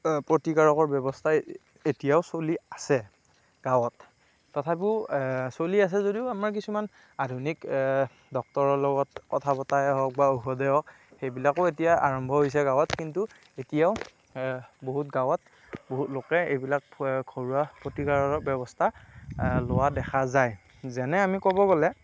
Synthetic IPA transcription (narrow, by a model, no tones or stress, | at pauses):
pɹotikaɹɔkɔɹbɛbɔstʰa | etijaʊsoliasɛ | ɡ̥awɔtː | ɔtʰap̬iʊsolias̬ɛzodiʊamaɹk̬isuman | adʱunik | dɔk̚tɔɹɔlɔɡɔtkɔtʰapɔtajɦɔk̚baoɦɔdɛɔk | xejbilakʊetijaa̰ɹɔmbʱɔɦojs̬ɛɡawɔtkintu | etijaʊ | boɦut̚ɡawɔt̚ | boɦutlokɛejbilak̚kʰoɹuapotikaɹɔɹɔbɛbɔstʰa | lowadɛxʰazaj | zɛnɛamikɔbɔɡɔlɛ